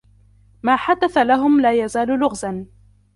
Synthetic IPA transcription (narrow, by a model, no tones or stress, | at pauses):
maːħad̪aθalaɦʊmlaːjazaːllʊɣzan